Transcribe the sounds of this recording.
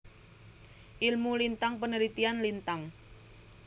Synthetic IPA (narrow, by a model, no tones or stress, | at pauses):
ʔilmulint̪aŋpənəɾit̪ianlint̪aŋ